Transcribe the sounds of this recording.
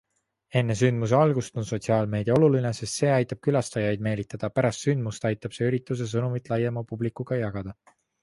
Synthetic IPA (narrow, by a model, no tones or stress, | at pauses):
e̞nːe̞synd̪mus̬e̞ɑlɡust̪o̞nso̞t̪ʲsiɑːlme̞ːd̪̥ʲiɑo̞lulinese̞st̪se̞ːɑjt̪ːˑɑb̥̚kylɑst̪ɑjɑjd̪̚me̞ːlit̪ːˑɑd̪̥ɑpæɾɑst̪synd̪must̪ɑjt̪ːˑɑb̥se̞yɾit̪ːˑus̬e̞s̬ɤnumit̪ˑlɑjemɑpublikːˑuɡ̥ɑjɑɡ̥ɑd̪̥ɑ